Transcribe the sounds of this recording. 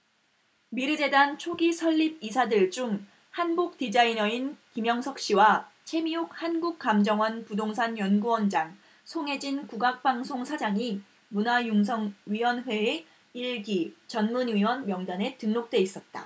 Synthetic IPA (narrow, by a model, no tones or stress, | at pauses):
miɾɯd͡ʑe̞dant͡ɕʰoɡisʰʌʎːib̚isʰadɯɭd͡ʑuŋ | hanbuk̚tid͡ʑainʌinkimjʌŋsʰʌk̚ɕ͈iwat͡ɕʰe̞miuk̚hanɡuk̚k͈amd͡ʑʌŋwʌnpudoŋsʰanjʌnɡuwʌnd͡ʑaŋ | sʰoŋe̞d͡ʑinkuɡak̚p͈aŋsʰoŋsʰad͡ʑaŋi | munajuŋs̬ʰʌŋɥiwʌnɸwe̞ː | iɭɡit͡ɕʌnmunɥiwʌnmjʌŋdane̞tɯŋnok̚t͈we̞is͈ʌt̚t͈a̰